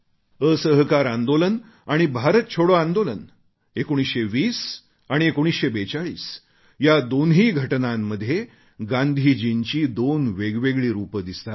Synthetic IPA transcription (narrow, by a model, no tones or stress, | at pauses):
əsəɦkaɾãnd̪olən | aɽ̃ibʱaɾət̪̚t͡ɕʰoɽoãnd̪olən | ekoɽ̃isɕeʋiːs | aɽ̃iekoɽ̃isɕebet͡saɭḭːs | jad̪onɦiːɡʱəʈnamːəd̪ʱːje | ɡãnd̪ʱiːd͡ʑint͡ɕiːd̪onʋeɡʋeɡɭiːɾupəd̪ist̪a